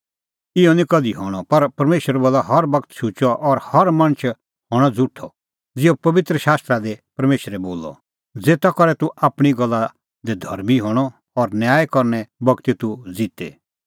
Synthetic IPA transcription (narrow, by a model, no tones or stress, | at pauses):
ɪɔnikɐd̪iɦɔːɽ̃ɔpɐɾpɐɾmeːʃəɾboːlːaɦɐɾbɐkt̪ʃut͡ʃɔʔɔɾhɐɾmɐ̃ɽ̃ət͡ʃʰ | hɔːɽ̃ɔd͡zʊʈʰːɔ | d͡zɪopɐʋɪt̪ɾəʃaːst̪ɾad̪epɐɾmeːʃɾɛboːlːɔ̰ | d͡zeːt̪akɔɾɛt̪uʔaːpɽ̃iɡɔlːa | d̪ed̪ʱɐ̰ɾmiɦɔːɽ̃ɔ | ɔɾnjaːjkɔɾnɛbɐɡt̪it̪ud͡zɪt̪ḛ